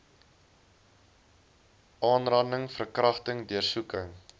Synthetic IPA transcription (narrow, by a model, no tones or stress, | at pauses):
ʔɑːnrɐndəŋfərkrɐχtəŋdiərsukəŋ